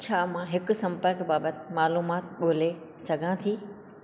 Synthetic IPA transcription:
t͡ɕʰaːmãɦɪkʊ̆sɐ̃mpəɾkbaːbət̪ɪmaːluːmaːt̪ɠoːle | sɐɡʱãt̪ʰiː

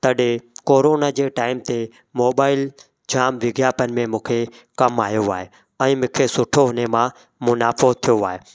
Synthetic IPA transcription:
t̪ɐɗekoːɾoːnad͡ʑeːʈaːɪmt̪e | moːɓaːɪl | d͡ʑaːmʋɪɡjaːpənɪ̆mẽmũːkʰe | kɐmaːjoaːɦe | ɛ̃ːmɪ̃ːkʰesʊʈʰoɦnemã | mʊnaːfoːt̪ʰijoaːɦeː

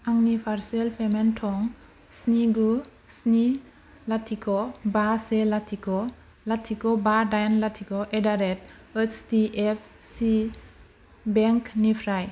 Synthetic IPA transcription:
aŋnipʰaɾselpʰementʰɔŋ | sniɡu | sni | latʰikʰɔbaselatʰikɔ | latʰikɔbadajnlatʰikɔʔedaɾet | ət͡ʃtiepʰ | si | beŋknipʰɾaj

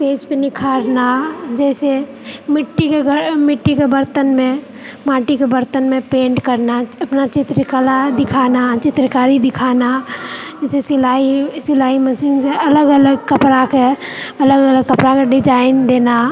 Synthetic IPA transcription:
peːspenɪkʰaːɾnad͡ʒɛːse | mɪʈːikeəmɪʈːikebəɾt̪ənmẽ | maːʈikebəɾt̪ənmẽpẽːɳʈkəɾnaɐpnat͡ʃɪt̪ɾəkalad̪ɪkʰaːnat͡ʃɪt̪ɾəkaːɾid̪ɪkʰaːnaɛsesɪlaisɪlaːiməsɪnseɐləɡələɡkəpɾakeɐləɡələɡkəpɾakeɖɪd͡ʒaːɪnd̪eːna

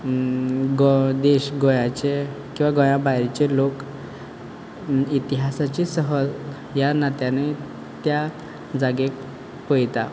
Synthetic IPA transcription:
ɡod̪eɕɡojat͡ɕekĩw̃ʋaɡɔjãbajɾt͡ɕelok | it̪iɦasat͡ɕisəɦəl | janat̪jãne | t̪ja | d͡zaɡek | pəjt̪a

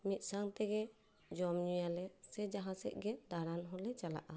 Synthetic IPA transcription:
mit̪̚ˀsaŋt̪ɛɡɛ | d͡ʒɔmɲujalɛsɛd͡ʒaɦasɛ̰ʔ̚ˀɡɛd̪aɾanɦɔlɛt͡ʃala̰ʔa

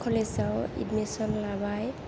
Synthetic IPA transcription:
kʰɔlesawḭdmisɔnlabaj

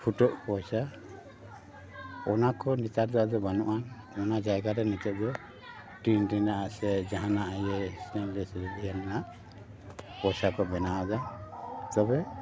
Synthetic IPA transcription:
pʰuʈɔʔpɔjsa | ɔnakɔnit̪aɾd̪ɔad̪ɔbanuʔan | ɔnad͡ʒajɡaɾɛnitɛʔ̚d̪ɔ | ʈinɾinaʔaʔsɛd͡ʒaɦanaʔajɛsɛnlɛsɛɾɛd̪ijananaʔ | pɔjsakɔbɛnawad͡ʒat̪ɔbɛ

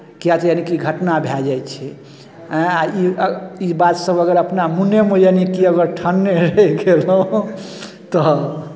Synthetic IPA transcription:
kiat̪janikiiɡʱəʈnabʱad͡ʒajt͡ʃʰɛ | ɦɛ̃aiibat̪səbəɡəɾəpnamuneməjanikiəɡəɾʈʰənːeɾəɡeləũ | t̪ɔ

